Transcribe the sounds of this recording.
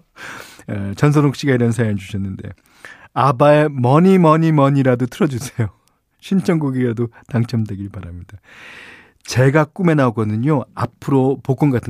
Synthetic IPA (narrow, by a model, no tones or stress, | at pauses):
t͡ɕʌns̬ʰʌɾok̚ɕ͈iɡaiɾʌnsʰajand͡ʑuɕʰʌnːɯnde̞̰ | abae̞mʌɲimʌɲimʌɲiɾadotʰɯɾʌd͡ʑusʰejo | ɕʰint͡ɕʰʌŋɡoɡiɡadotaŋt͡ɕʰʌmdwe̞ɡiɭpaɾamɲida | t͡ɕe̞ɡak͈ume̞naoɡʌnɯɲoa̰pʰɯɾopok͈ʌnɡatʰɯ